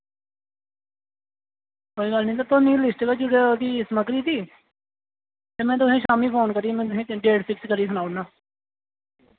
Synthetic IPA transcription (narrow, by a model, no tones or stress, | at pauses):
koːiːɡəlnĩːt̪ət̪õːnĩːlɪsʈkəd͡ʒʊɽed̪iːsəməkɾiːd̪iː | t̪eːmɛ̃ːt̪̬ʊsẽːʃaːmiːpʰoːnkəɾiːmɛ̃ːt̪ʊɦẽːɖeːɖpʰɪkskəɾiːsənaːʊnaː